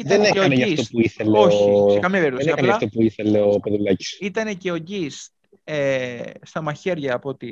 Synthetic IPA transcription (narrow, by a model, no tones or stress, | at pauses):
iðɐenekeɐoneʝɐifsopuiθeleookɐmjɐpeɾɾt̪osneiɐnlɐft̪opuiθe̞le̞opeðulɐci̥sit̪ɐne̞ce̞o̞ɟist̪ | est̪ɐmɐçe̞ɾʝɐːpoot̪i